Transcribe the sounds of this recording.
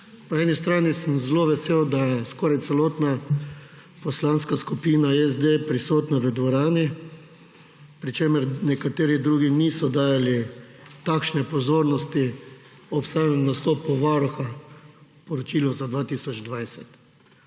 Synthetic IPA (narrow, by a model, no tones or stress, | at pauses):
pɔɛːnist̪ɾaːnisəmzloːʋɛseːwd̪ajɛskɔːɾajt̪ɛloːt̪na | pɔslanskaskupiːnajɛzd̪epɾisoːt̪naʋəd̪ʋɔɾaːni | pɾit͡ʃeːməɾnɛkat̪eːɾid̪ɾuːɡinisɔd̪aːjali | t̪akʃnɛpɔzoːɾnɔst̪i | ɔpst̪aːjamnast̪ɔːpɔʋaɾɔxa | pɔɾɔt͡ʃiːlɔzad̪ʋaːt̪iːsɔd͡ʒd̪ʋajsɛt̪